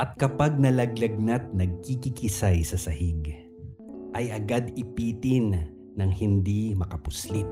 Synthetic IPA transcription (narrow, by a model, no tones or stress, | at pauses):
ʔɐt̪̚kɐpaɡ̚nɐlɐɡlɐɡ̚nat̪̚nɐɡ̚kikikɪsajsɐsɐhiɡ | ʔɐjɐɡad̪ɪpiːt̪ɪnː | ɐŋhɪnd̪imɐkɐpʊslit̪̚